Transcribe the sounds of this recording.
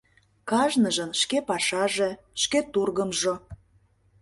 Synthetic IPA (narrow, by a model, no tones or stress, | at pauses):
kɑʒnəʒənʃkepɑʃɑʒe | ʃket̪urɣəmʒo